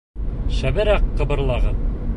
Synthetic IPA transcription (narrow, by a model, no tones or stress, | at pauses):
ʃæβɘ̆ɾæqːɤ̆bɤ̆ɾlˠɑʁɤn